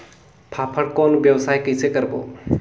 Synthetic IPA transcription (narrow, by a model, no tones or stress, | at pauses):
pʰapʰəɽkonbjəwsajkəjsʰekəɾbo̰